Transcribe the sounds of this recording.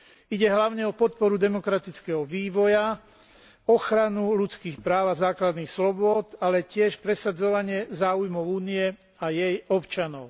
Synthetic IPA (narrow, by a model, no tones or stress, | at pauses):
iɟɛɦlaʊɲɛɔpɔt̪̚pɔɾud̪ɛmɔkɾat̪it͡skɛɦɔʋiːʋɔja | ɔxɾanulut͡skiːxpɾaːʊazaːklad̪niːxslɔbʊɔt̪alɛcɪɛʃpɾɛsad͡zɔʋaɲɪɛzaːujmɔʊuːniɛ | ajɛjɔpt͡ʃanɔʊ